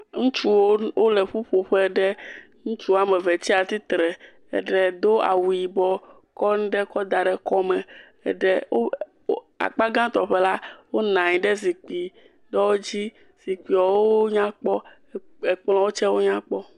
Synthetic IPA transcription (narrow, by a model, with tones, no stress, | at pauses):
ŋũ˦t͡ʃu˦wo˦wo˦lɛ˨ɸu˦ɸo˨ɸɛ˦ɖɛ˦ | ŋũ˦t͡ʃu˦˨a˨mɛ˨vɛ˨t͡ɕi˦a˨t̪i˦t̪ɾɛ˨ | ɛ̰˨ɖɛ˨d̪o˦a̰˨wu˨i˨bɔ˦ | kɔ˦ñ˦ɖɛ˦kɔ˦d̪a˨ɖɛ˨kɔ˦mɛ̃˨ | ɛ̰˨ɖɛ˦˨o˦ | a̰˨k͡pa˦ɡã˦t̪ɔ˨ɸɛ˦la˦wo˦nã˨ɲĩ˨ɖɛ˦zi˨k͡pi˨ | ɖɔ˦wo˦d͡ʑi˦ | z̥i˨k͡pi˨ɔ˨wo˦o˦ɲã˦k͡pɔ˦ | e˨k͡pl̃ɔ̃˦wo˦t͡ʃɛ˦wo˦ɲã˦k͡pɔ˦